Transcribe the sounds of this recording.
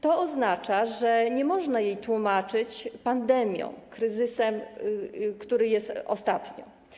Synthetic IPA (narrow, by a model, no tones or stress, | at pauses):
t̪ɔɔznat͡ʂaʐɛɲɛmɔʐnajejt̪wumat͡ʂɘt͡ɕpand̪ɛmʲjɔ̰̃w̃kɾɘzɘsɛm | kt̪uɾɘjɛst̪ɔ̰st̪at̪ɲɔ̰